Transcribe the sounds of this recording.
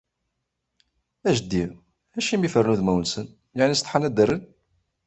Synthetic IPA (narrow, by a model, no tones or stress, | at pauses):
æʒd̪ːi | æʃimifəɾrnuðmæwənsən | jaʕnist̪ˤħanæd̪ərən